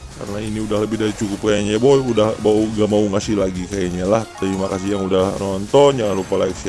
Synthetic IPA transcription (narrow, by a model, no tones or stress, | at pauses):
ka̰rnainiudahləbɪhdaɾit͡ʃukʊp̚kajaɲaboɛudahbauɡamauŋasilaɡikajaɲalaht̪aɾimakasijaŋudahnɔnt̪ɔnd͡ʒaŋanɾupalaiksia